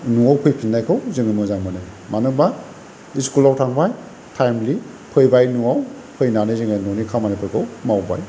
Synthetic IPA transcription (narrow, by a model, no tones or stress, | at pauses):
nuawpʰɯjpʰinːajkʰɯwzɯŋɯmɯzaŋmanɯ | manɯba | iskulawtʰaŋbaj | tʰajmli | pʰɯjbajnuwaw | pʰɯjnanɯzɯŋajnɔnikʰamanipʰɯjkʰɯwmawba̰j